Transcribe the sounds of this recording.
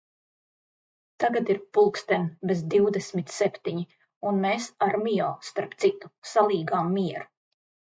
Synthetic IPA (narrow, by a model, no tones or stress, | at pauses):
t̪aɡad̪iɾpulˠkst̪ɛnbezd̪iwd̪esmit̪sepʲt̪iɲi | unmeːsaɾmijɔːst̪aɾpt̪sit̪u̥salˠiːɡaːmːiɛɾu̥